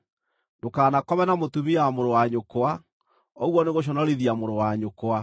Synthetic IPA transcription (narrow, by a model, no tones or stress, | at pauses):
ndokaːnakɔβɛnamotumiamoɾowaɲokoa | ɔɣwɔneɣoɕ̬ɔnɔɾiðiamoɾowaɲokoa